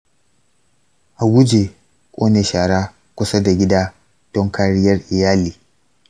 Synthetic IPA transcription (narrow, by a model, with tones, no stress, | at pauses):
ʔa˨wʊ˦d͡ʒe˨ | kʷʼoː˦neː˨ʃaː˨ɽaː˦ | kʷʊ˦sa˦da˨ɡʲɪ˦daː˦ | d̥ɔ˦ŋkaː˦ɽɪ˦jɐ˦rʔɪ˨jaː˦liː˨